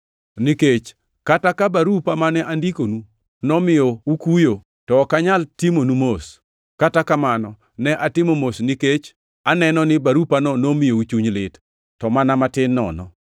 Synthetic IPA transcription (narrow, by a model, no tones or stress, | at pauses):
niket͡ʃ | katakabaɾupamanɛʔandikonu | nɔmɪjoukujo | tɔkaɲaltimonumos | katakamanɔ | nɛʔatɪmomosniket͡ʃ | anɛnɔnɪbaɾupanɔnomɪjout͡ʃuɲlɪtː | ɔmanamatɪnːɔ̰nɔ̰